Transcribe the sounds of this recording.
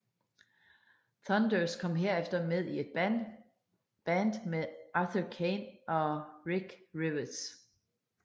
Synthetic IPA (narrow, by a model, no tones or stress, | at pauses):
θɒnd̥øskʰɒ̽m̰ɦe̝ɐ̰efd̥ɐmeð̞ˠie̝d̥̚ | b̥ænd̥meʔɑθəkʰenʔɒ̽ʁiɡ̥ʁiʋɐs